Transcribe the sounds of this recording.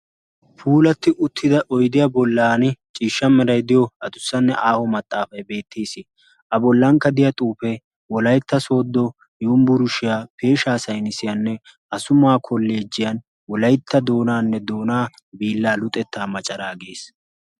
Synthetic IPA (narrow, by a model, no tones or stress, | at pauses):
pʰuːlɐt̪ːɪʔʊt̪ʰːɪd̪ɐʔɔjd̪ɪjɐbɔlːaːnɪt͡ʃʼiːʃːɐmɛɾɐjd̪ɪjɔɐd̪ʊsːɐnːɛʔaːhɔmɐt̪ʼːaːfɐjbe̞ːt̪ʰːeːsɪ | ʔɐbɔlːɐŋkːɐd̪ɪjɐt̪ʼuːfɛ | wɔlɐjt̪ːɐso̞ːd̪ːɔ | joːmbʊɾʊʃɪjaːpe̞ːʃaːsɐjnɪsɪjɐnːɛ | ʔɐsʊmaːkʰɔlːe̞ːd͡ʒːɪjɐn | wɔlɐjt̪ʰːɐd̪o̞ːnaːnːɛd̪o̞ːnaː | biːlːaːlʊt̪ʼɛt̪ʰːaːmɐt͡ʃʼɐɾaːɡe̞ːs